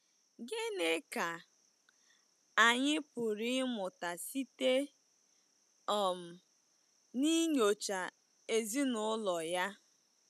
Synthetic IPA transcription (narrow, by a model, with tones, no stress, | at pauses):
ɡe˦ne˦ka˨ | a˨ɲɪ˦pʊ˨ɾi˦mʊ˨ta˨si˦te˦ | ɔ˨m̩˨ | ni˦ɲo˨t͡ʃa˨ | e˨zi˦nʊ˨˦lɔ˨ja˦